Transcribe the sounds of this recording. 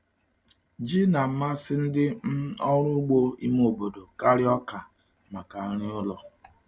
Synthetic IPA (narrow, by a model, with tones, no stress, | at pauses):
d͡ʒi˦na˨m̩˦ma˦sɪ˦n̩˦dɪ˦m̩˦ɔ˦ɾ̃ʊ˦ɡ͡bo˦i˦m˦o˨bo˨do˨ka˦ɾɪ˦ɔ˦ka˨ | ma˨ka˨˦ɾɪ˦ʊ˦lɔ˨